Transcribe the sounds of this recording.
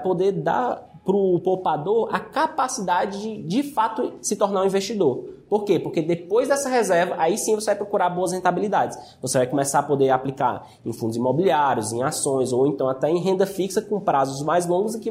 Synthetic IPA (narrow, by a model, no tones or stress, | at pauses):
pod̪eɾd̪a̰ɾ | pɾʊpowpad̪oɾa̰kapasid̪ad͡ʒɪd͡ʒɪd͡ʒɪfat̪ʊsɪt̪ɔɾnaɾũĩveʃt͡ʃid̪oɾpoɾkepoɾked̪epojzd̪ɛsɐɦɛzɛɾvɐʔaisĩvosevajpɾɔkuɾaɾboɐs̬hẽnt̪abilid̪ad͡ʒɪs | vosevajkõmɛsapod̪eɾaplika̰ɾ | ẽfũd̪ʊzimɔbiliaɾjʊzẽj̃asõj̃zowẽnt̪ɐ̃w̃at̪ɛẽj̃ɦẽnd̪ɐfiksɐkõpɾazʊzmajzlõŋɡʊzĩkɪ